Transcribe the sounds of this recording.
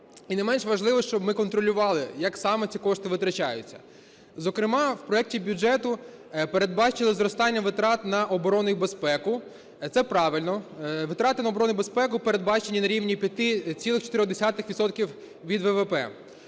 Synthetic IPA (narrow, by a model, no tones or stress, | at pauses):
inɛmɛnʃʋɐʒlˠɪʋɔʃt͡ʃɔbmɪkɔnt̪ɾɔlʲʊʋɑlˠɪjɐksɑmɛt͡sʲikɔʃt̪ɪʋɪt̪ɾɐt͡ʃɑjʊ̰t͡sʲːɐ̥̰ | zɔkɾɪmɑwpɾɔɛk̚tʲibʲud͡ʒɛt̪ʊ | peɾed̪̚bɑt͡ʃɪlˠɪzɾɔst̪ɑnʲːɐʋɪt̪ɾɑt̪nɐʔɔbɔɾɔnʊjibespɛkʊ | t̪sɛpɾɑʋɪlʲnɔʋɪt̪ɾɑt̪ɪnɐɔbɔɾɔnɪbespɛkʊpeɾe̞d̪̚bɑt͡ʃenʲːinɐɾʲiʋnʲipʲjɐt̪ɪt͡sʲilˠɪxt͡ʃɔ̥t̪ɪɾʲɔɣd̪esʲɑt̪ɪxʋʲit̪sɔt̪̚kʲiw | ʋʲid̪ʋɛʋɛpɛ̰